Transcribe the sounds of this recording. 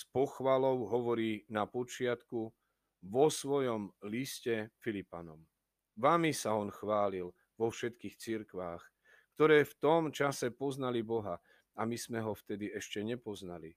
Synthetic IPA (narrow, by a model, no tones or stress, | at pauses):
spɔxʋalɔʊɦɔʋɔɾiːnapɔt͡ʃɪat̪ku | ʋɔsʋɔjɔmliscɛfilipa̰nɔm | ʋamisaɔnxʋaːlil | ʋɔfʃɛt̪kiːxt͡siɾkʋaːx | kt̪ɔɾɛːft̪ɔmt͡ʃasɛpɔznalibɔɦa | amiz̥mɛɦɔft̪ɛd̪iɛʃcɛɲɛpɔznali